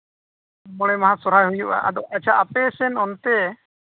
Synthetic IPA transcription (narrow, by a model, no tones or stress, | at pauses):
mɔɽ̃ɛmaɦasɔɾ̤ajɦujuʔa̰ʔa̰d̪ɔʔat͡ʃʰaʔapɛsɛnɔnt̪ɛ